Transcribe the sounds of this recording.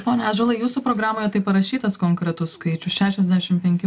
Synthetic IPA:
poːnʲɛɐʒolˠɐɪjuːsʊpɾoːɡɾɑːmoːjɛt̪ɐɪpɐɾɐʃʲiːt̪ɐskoːŋkɾʲɛt̪ʊsskɐɪt͡ʃʲʊsʃʲæːʃʲɛzʲd̪ʲæːʃʲɪmpʲɛŋʲkʲɪ

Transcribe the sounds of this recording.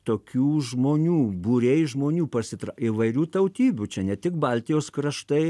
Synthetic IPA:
t̪oːkʲuːʒmoːnʲuːbuɾʲeːjʒmoːnʲuːpɐsʲɪt̪ɾɑiʋɐɪɾʲuːt̪ɐʊt̪ʲiːbʲut͡ʃʲɛnʲɛt̪ʲɪkbɐlʲt̪ʲɪjoːskɾɐʃt̪ɐɪ

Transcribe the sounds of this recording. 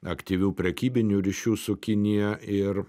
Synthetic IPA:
ɐkt̪ʲiʋʲuːpʲɾʲɛkʲiːbʲɪnʲuːɾʲiʃʲuːsʊkʲɪnʲɪjɛɪɾ

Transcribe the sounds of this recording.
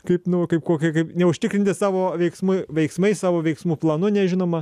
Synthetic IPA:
kɐɪpnʊkɐɪp̚koːkʲɪkɐɪpnʲɛʊʃʲt̪ʲɪkɾʲɪnʲt̪ʲɪsɑːʋoːʋʲɛɪksmʊɪʋʲɛɪksmɐɪsɑːʋoːʋʲɛɪksmuːplˠɐnʊnʲɛʒʲɪnoːmɐ

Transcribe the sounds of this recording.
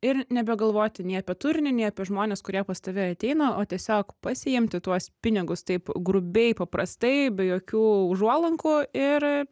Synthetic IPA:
ɪɾnʲɛbʲɛɡɐlˠʋoːt̪ʲɪnʲeːɐpʲiɛt̪ʊɾʲnʲɪnʲeːɐpʲiɛʒmoːnʲeːskʊɾʲiɛpɐst̪ɐʋʲɪɐt̪ʲɛɪnɐːʔoːt̪ʲiɛsʲoːkpɐsʲɪjɪmʲt̪ʲɪt̪uɔspʲɪnʲɪɡʊst̪ɐɪpɡɾʊbʲɛɪpɐpɾɐst̪ɐɪbʲɛjoːkʲuːʊʒuɔlˠɐŋkuɪr

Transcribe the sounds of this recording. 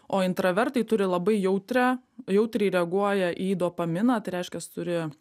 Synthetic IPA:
oːɪnt̪ɾɐʋʲɛɾt̪ɐɪt̪ʊɾʲɪlˠɐbɐɪjɛʊt̪ʲɾʲæjɛʊt̪ʲɾʲɛɪɾʲɛɐɡuɔjɛʔiːd̪oːpɐmʲɪnɑːt̪ɐɪɾʲɛɪʃʲkʲɛst̪ʊɾʲɪ

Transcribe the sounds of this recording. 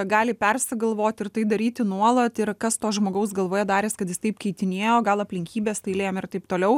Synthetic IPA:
ɡɑːlʲɪpʲɛrsʲɪɡɐlˠʋoːt̪ʲɪrt̪ɐɪd̪ɐɾʲiːt̪ʲɪnuɔlˠɐt̪ɪɾkɐst̪oːʒmoːɡɐʊs̬ɡɐlˠʋoːjɛd̪ɑːɾʲɪːskɐt̪jɪst̪ɐɪpkʲɛɪt̪ʲɪnʲeːjoːɡɐlˠɐpʲlʲɪŋʲkʲiːbʲeːst̪ɐɪlʲeːjomɪrt̪ɐɪpt̪oːlʲɛʊ

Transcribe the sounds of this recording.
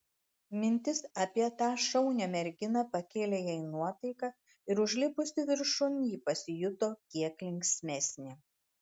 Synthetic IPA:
mʲɪnʲt̪ʲɪsɐpʲiɛt̪ɑːʃɒʊnʲɛmʲɛɾʲɡʲɪnɐpɐkʲeːlʲeːjɛɪnuɔt̪ɐɪkɑ | ɪɾʊʒʲlʲɪpʊsʲɪʋʲɪɾʃʊnjiːpɐsʲɪjʊt̪oːkʲiɛklʲɪŋʲksʲmʲɛsʲnʲɪ

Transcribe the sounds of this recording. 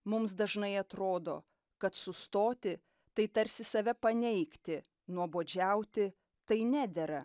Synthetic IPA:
mʊmsd̪ɐʒnɐɪɐt̪ɾoːd̪o̰ː | kɐt̪sʊst̪oːt̪ʲɪ | t̪ɐɪt̪ɐɾʲsʲɪsɐʋʲɛpɐnʲɛɪkt̪ʲɪ | nuɔboːd͡ʒʲæʊt̪ʲɪ | t̪ɐɪnʲæːd̪ʲɛɾɐ

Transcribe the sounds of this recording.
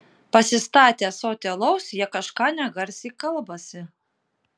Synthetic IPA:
pɐsʲɪst̪ɑːt̪ʲeːsoːt̪ʲɛlˠɔʊsjiɛkɐʃkɑːnʲɛɡɐɾʲsʲiːkɐlˠbɐsʲɪ

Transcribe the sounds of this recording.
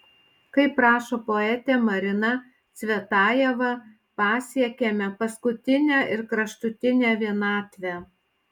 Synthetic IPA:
kɐɪpɾɑːʃoːpoɛt̪ʲɛmɐɾʲɪnɐ | t̪sʲʋʲɛt̪ɑːjɛʋɐ | pɑːsʲiɛkʲemʲɛpɐskʊt̪ʲɪnʲæːʔɪɾkɾɐʃt̪ʊt̪ʲɪnʲæːʋʲiɛnɑːt̪ʲʋʲæ

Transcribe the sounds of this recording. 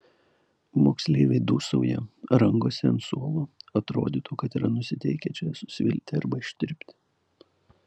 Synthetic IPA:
mo̰ːksʲlʲeːʋʲɛɪd̪uːsɐʊjɛ̰ɾɐŋɡoːsʲɛnt̪suɔlˠoɐt̪ɾo̰ːd̪ʲiːt̪uːkɐt̪iːɾɐnʊsʲɪt̪ʲɛɪkʲɛt͡ʃʲɛsʊ̥sʲʋʲɪ̰lʲt̪ʲɪɐɾbɐɪʃʲt̪ʲɪɾʲpʲt̪ʲɪ̥

